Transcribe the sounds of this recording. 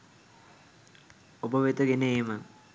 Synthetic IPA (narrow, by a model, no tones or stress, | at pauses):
obəʋet̪əɡeneːmə